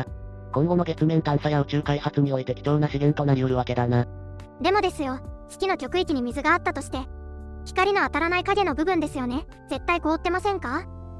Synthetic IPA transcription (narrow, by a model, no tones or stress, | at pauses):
kõŋɡo̞no̞ɡe̞t͡sɨmẽ̞ŋt̪ãɰ̃sajaot͡ɕɨːkaihat͡sɨɲ̟io̞it̪e̞kʲi̥t͡ɕo̞ːnaɕiɡẽ̞nt̪o̞naɾʲioɾɯ̟βake̞d̪ana | d̪e̞mo̞d̪e̞sɨjo̞sɨ̥kʲino̞t͡ɕʲo̞kɯ̟ikʲiɲ̟imʲizɨɡaːt̪ːat̪o̞ɕi̥t̪e̞çʲi̥kaɾʲino̞at̪aɾanaikaɡʲe̞no̞bɯ̟bɯ̟̃nd̪e̞sɨjo̞ne̞ | z̥e̞t̪ːaiko̞ːt̪ːe̞masẽ̞ŋka